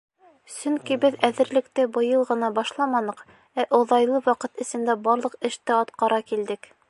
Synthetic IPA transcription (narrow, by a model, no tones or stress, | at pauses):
sɵŋkibɘðæðɘ̆ɾlɘ̆kt̪ɘbɤ̆jɤlˠʁɤ̆nɑbɑʃlˠɑmɑnɤ̆q | æʔŏðɑjlˠɤwɑqɤt̪ɘ̆sɘ̆nd̪æbɑɾlˠɤ̆qɘ̆ʃt̪ɘɑt̪qɑɾɑkild̪ɘk